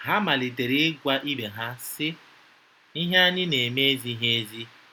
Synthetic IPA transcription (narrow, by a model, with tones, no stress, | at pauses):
ɦa˦ma˨li˨te˨ɾe˦ɡʷa˦ʔi˦be˨ɦa˦sɪ˦ | i˦ɦa˦a˦nɪ˦ne˨me˦zi˦ɦe˦e˦zi˦